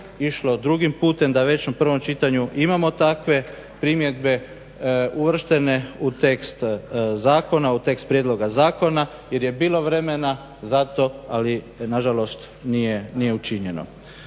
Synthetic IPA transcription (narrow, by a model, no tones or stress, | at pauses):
iʃlod̪ɾuɡimpuːt̪e̞md̪aʋe̞t͡ɕnapr̩ʋo̞mt͡ʃit̪aɲuʔimamo̞t̪akʋe̞ | pɾimje̞d̪be̞ | uʋr̩ʃt̪e̞ne̞ut̪e̞kst̪zaːko̞naut̪e̞kst̪̚pɾjed̪lˠo̞ɡazaːko̞na | je̞ɾje̞biːlˠo̞ʋɾe̞me̞na | zat̪o̞ali | naʒalo̞st̪ | nijenije̞ut͡ʃiɲe̞no̰